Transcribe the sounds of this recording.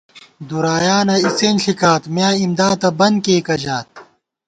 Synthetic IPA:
d̪uɾaːjaːnɐiseːnɬikaːt̪mjaːimd̪aːt̪ɐbɐnkeːkɐd͡ʑaːt̪̚

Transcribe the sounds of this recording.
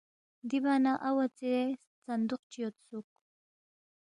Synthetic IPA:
d̪ibanaʔawat͡see | sand̪ʊqt͡ʃijot̪suk

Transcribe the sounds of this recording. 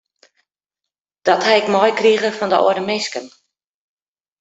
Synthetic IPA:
d̥ɔthɛjɪkmɔjkriəɣəfɔndəʔɔ̰ədəmɪskən

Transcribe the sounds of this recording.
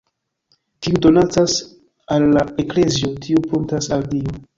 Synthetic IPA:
tiudo̞nat͡sas | alːaekle̞zio̞tʰiupuntasaldio

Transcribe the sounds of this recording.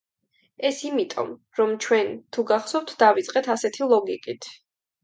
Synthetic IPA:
ɛsimit̪ʼɔ̰m | ɾɔmt͡ʃʰwɛnt̪ʰuɡaχsɔp̚t̪ʰd̪̥avit̪sʼqʼɛt̪ʰasɛt̪ʰilˠɔɡikʼit̪ʰ

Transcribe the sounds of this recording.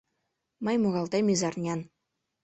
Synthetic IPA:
mɘ̆jʲmuɣɑlˠt̪ɑmʲizɑrnʲɑn

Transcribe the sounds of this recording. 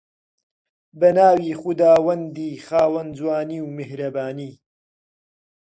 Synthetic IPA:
bɐnaːwiːxud̪aːwɐnd̪iːxaːwɐnzwaːniːwmehɾɐbaːniː

